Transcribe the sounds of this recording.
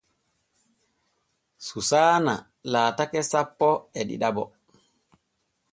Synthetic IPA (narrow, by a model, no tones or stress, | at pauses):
susaːna̰ | laːtakɛsapːɔɛɗḭɗabɔ